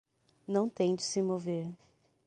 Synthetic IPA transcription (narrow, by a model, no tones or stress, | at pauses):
nɐ̃w̃t̪ẽj̃d͡ʒɪsɪmoveɾ